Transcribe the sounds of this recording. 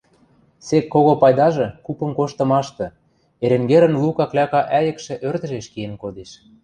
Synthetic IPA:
sekːoɣopɑjd̪ɑʒɤ̆kupə̆mkoʃt̪ɤ̆mɑʃt̪ɤ̆ | eɾĕŋɡeɾə̆nlukɑklʲɑkɑʔæjə̆kʃĕʔørd̪ə̆ʒeʃkijenkod̪eʃ

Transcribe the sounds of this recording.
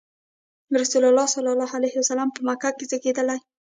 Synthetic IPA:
ɾasulalːɑsalɑlɑhalajhɪwasalampəmakakezəked̪əlaj

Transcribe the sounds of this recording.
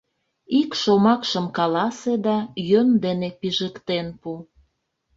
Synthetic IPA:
ikʃomɑkʃəmkɑlɑsed̪ɑjønd̪enepiʒəkt̪enpu

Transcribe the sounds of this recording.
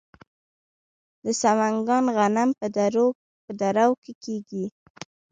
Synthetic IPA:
d̪əsamaŋɡɑnɣanampəd̪aɾo | pəd̪aɾawkekeɡi

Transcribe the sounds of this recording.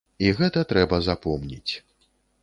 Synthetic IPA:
iɣɛt̪ɐt̪ɾɛbɐzapɔmnʲḭt͡sʲ

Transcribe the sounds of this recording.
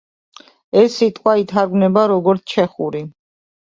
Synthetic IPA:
ɛsːit̪ʼqʼwait̪ʰaɾɡnɛbaɾɔɡɔɾt̪sʰt͡ʃʰɛχuɾi

